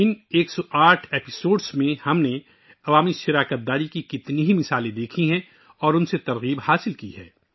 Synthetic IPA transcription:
ɪneːksɔʔaːʈʰeːpɪsoːɖsmẽhɐmne | ɐʋaːmiʃɪɾaːkət̪̚d̪aːɾikikɪt̪niɦimɪsaːlẽd̪eːkʰiɦɛ̃ | ɔːɾʊnset̪ɐɾɣiːbhaːsɪlkiɦɛ̰ː

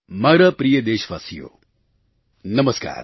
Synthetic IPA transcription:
maɾɐpɾijəd̪eːʃʋa̰ːsijo̰ː | nɐməska̰ːɾ

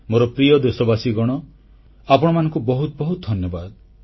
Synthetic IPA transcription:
moɾɔpɾiɔd̪esɔbasiɡɔɽ̃ɔ | apɔɽ̃ɔmanɔ̃ŋkubɔɦut̪bɔɦut̪ɔd̪ʱɔnjɔbad̪

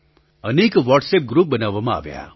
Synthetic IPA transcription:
əneːkʋɔʈsep̚ɡɾuːp̚bənaʋamãa̰ʋja̰

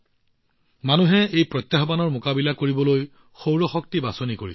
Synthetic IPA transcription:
manuɦɛejpɹɔt̪jaɦbanɔɹmokabilakoɹibɔloj | xowɹɔxɔk̚tibasonikoɹis

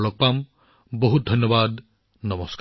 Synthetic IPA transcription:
lɔk̚pam | bɔɦut̪̚d̪ʱɔnjɔbad̪ | nɔmɔsk

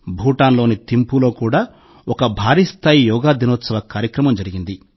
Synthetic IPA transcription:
bʱuːʈaːnlo̞ːnit̪impulo̞ːkuːɽaː | ɔkɐbʱaːɾiːst̪ʰaːjijɔːɡaːd̪inɔːt̪sɐʋɐkaːɾjɐkɾɐmɐmd͡ʒɐɾiɡind̪i

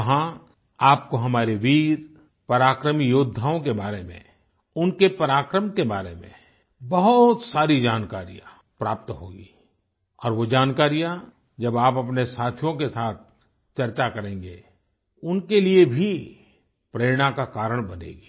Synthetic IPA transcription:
ɐɦã | aːpkoɦɐmaːɾeʋiːɾ | pɐɾaːkɾəmijoːd̪ʱːaːõkebaːɾemḛ̃ | ʊnkepɐɾaːkɾəmkebaːɾemḛ̃ | bɐɦʊt̪saːɾid͡ʒaːnkaːɾija | pɾaːp̚t̪ɦoːɡiː | ɔːɾʋod͡ʒaːnkaːɾija | d͡ʒɐbaːpɐpnesaːt̪ʰjõkesaːt̪̚ʰ | t͡ʃɐɾt͡ʃakɐɾẽːŋɡe | ʊnkeliebʱi | pɾeːɾɽ̃akakaːɾəɽ̃bɐnḛːɡiː

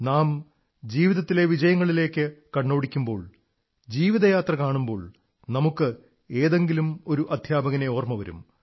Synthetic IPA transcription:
naːm | d͡ʑiːʋiðɐt̪ːile̞ʋid͡ʑɐjɐŋːɐɭile̞ːkːɨkɐɳːo̞ːɽikʲːumbo̞ːɭ | d͡ʑiːʋiðɐjaːt̪rɐkaːɳumbo̞ːɭ | nɐmukːɨ | eːðeŋɡilumo̞ɾuʔɐd̪ʱjaːbɐɣɐneoːrmɐʋɐɾṵm

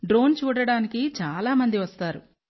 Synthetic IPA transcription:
ɖɾo̞ːnt͡ʃuːɽɐɽaːnikit͡ʃaːlaːmɐnd̪iʋɐst̪aːɾu

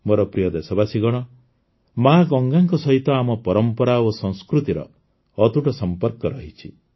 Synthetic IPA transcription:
moɾɔpɾijɔd̪esɔbasiɡɔɽ̃ɔ | maɡɔŋɡaŋkɔsɔɦit̪ɔamɔpɔɾɔmpɔɾaosɔ̃ŋ̃skɾut̪iɾɔ̰ː | t̪uʈɔsɔmpɔɾkɔɾɔɦit͡ʃʰi

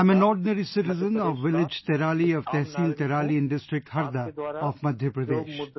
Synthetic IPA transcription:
ãɪmɛ̃nɔːɾɖnəɾisɪʈɪzə̃nɔːʋʋɪlɪd͡ʒt̪ɛɾaːliɔʋt̪ɛɦsiːlt̪ɛɾaːliɪ̃nɖɪsʈɾɪk̚ʈhɐɾd̪aɔːfmɐd̪ʱjəpɾɐd̪eːʃ

